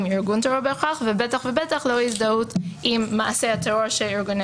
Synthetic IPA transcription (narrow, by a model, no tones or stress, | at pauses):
miʁɡunteoɾbeχaχvebetaχvebetaχloizdautʔimːaasehat̪eoʁʃeliʁɡun